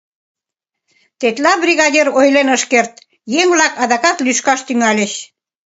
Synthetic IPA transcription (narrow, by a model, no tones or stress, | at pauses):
t̪et̪lɑbrʲiɣɑdʲerojlenəʃkert̪ | jeŋβlɑkɑðɑkɑt̪lyʃkɑʃt̪yŋɑlʲeɕ